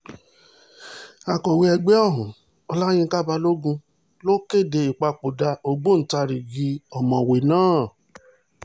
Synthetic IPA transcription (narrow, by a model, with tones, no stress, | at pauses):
a˨kɔ˨we˧ɛ˧ɡ͡be˦ɔ˦˨ɦũ˨ | ɔ˧la˦j̃ĩ˧ka˦ba˧lo˦ɡũ˧ | lo˦ke˦˨de˧i˨k͡pa˧k͡po˨da˧o˧ɡ͡bo˦n̩˨ta˧ɾi˨ɡi˧ɔ˨mɔ̃˨we˨nãː˦˨